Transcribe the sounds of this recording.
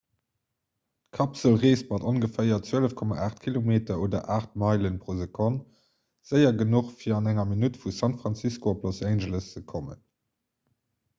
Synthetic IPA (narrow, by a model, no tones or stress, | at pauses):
kʰɑpsəlʁeːst̚mɑtonɡəfəɪɐt͡swøələfkʰɔma̰ʔaːχtkʰilomeːtɐoːdɐ̰ʔaːχt̚mɑɪlənpʁoːzəkʰont | z̥əɪɐɡənuχfiːɐɑnæŋɐminutfusɑntfʁɑnt͡siskoopʰlosæɪnʒələst͡səkʰomə̰n